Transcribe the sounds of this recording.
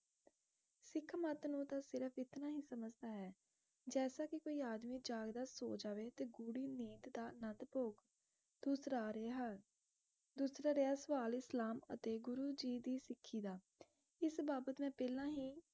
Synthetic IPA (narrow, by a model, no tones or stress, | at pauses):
sɪkʰmət̪nũːt̪aːsɪɾəpʰɪt̪naːɦiːsəməd͡ʒd̪aːɦɛː | d͡ʒɛːsaːkɪkoːiːaːd̪miːd͡ʒaːɡd̪aːso̰ːd͡ʒaːʋeːt̪eːɡuːɽiːniːt̪d̪aːnət̪poːk | d̪̥uːsɾaːɾeɦa | d̪uːsɾaːɾeaːsʋaːlɪslaːmə̰t̪eːɡʊɾuːd͡ʒiːd̪iːsɪkʰːiːd̪aː | ɪsbaːbət̪mɛ̃ːpɛːlãːɦiː